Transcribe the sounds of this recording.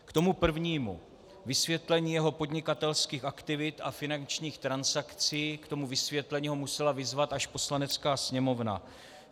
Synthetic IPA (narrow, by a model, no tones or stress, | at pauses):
kt̪o̞mupr̩vɲiːmṵ | vɪsvjɛt̪lɛɲiːjɛɦo̞po̞d̪ɲɪkat̪ɛlskiːxʔakt̪ɪvɪt̪afɪnant͡ʃɲiːxt̪ɾansakt͡siːkt̪o̞muvɪsvjɛt̪lɛɲiːɦo̞musɛlavɪzvat̪ʔaʃpo̞slanɛt͡skaːsɲɛmo̞vna̰